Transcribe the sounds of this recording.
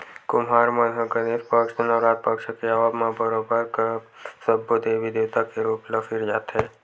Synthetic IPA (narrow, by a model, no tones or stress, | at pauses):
kʊmɦaːɾmənɦəɡəneːspəkʃenəʋɾaːt̪̚pəkʃəkeaʋabmabəɾoːbəɾk | səbod̪eːʋid̪eːwt̪akeɾuːpləfɪɾd͡ʒaːt̪ɦɛː